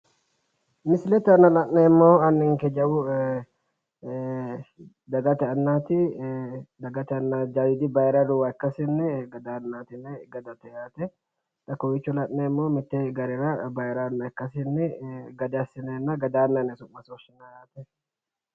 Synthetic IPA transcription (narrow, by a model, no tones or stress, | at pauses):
mɪsɪlɛt̪ɛɐnːɐlɐʔnɛɪmːoːɐnːɪŋkɛd͡ʒɐwʊ | d̪ɐɡɐt̪ɛɐnːaːt̪ɪ | d̪ɐɡɐt̪ɛɐnːaːd͡ʒawɪd̪ɪbɐjɪɾɐd̪ʊwɐɛkːɐsɪnːɛɡɐd̪anːaːt̪ɪnːɛɡɐd̪ɐt̪ːɛjaːt̪ɛ | t̪ɐkːɔwɪt͡ʃːʊlɐʔnɛɪmːoːmɪt̪ːɛɡɐɾɛɾɐbɐjɪɾɐːnːɐɛkːɐsɪnːɛɡɐd̪ɐsɪnɐnːɐɡɐd̪aːnːɐnːɛsʊmːɐsoʃɪnːɐjaːt̪ɛ